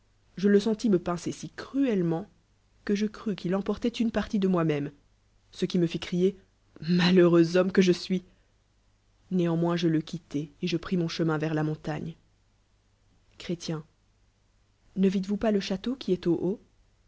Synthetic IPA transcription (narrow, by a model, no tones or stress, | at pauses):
ʒələsɑ̃t̪iməpɛ̃sesikχyɛlmɑ̃ | kəʒəkχykilɑ̃pɔʁt̪ɛt̪ynpaʁt̪id̪əmwamɛm | səkʲiməfikχije | maløʁøzɔmkəʒəsɥi | neɑ̃mwɛ̃ʒələkʲit̪ɛeʒəpχimɔ̃ʃəmɛ̃vɛʁlamɔ̃t̪aɲ | kχet̪jɛ̃ | nəvit̪vupaləʃat̪okʲiɛt̪oʔo